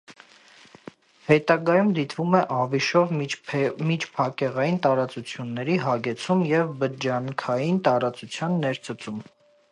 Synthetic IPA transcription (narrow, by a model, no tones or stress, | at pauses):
hɛt̪ɑɡɑjumd̪it̪vumɛʔɑviʃɔv | mit͡ʃʰpʰɑkɛʁɑjint̪ɑɾɑt͡sut͡sʰjunːɛɾiɦɑɡɛt͡sʰumjɛvbəd͡ʒɑŋkʰɑjint̪ɑɾɑt͡sut͡sʰjɑnːɛɾt͡sʰət͡sum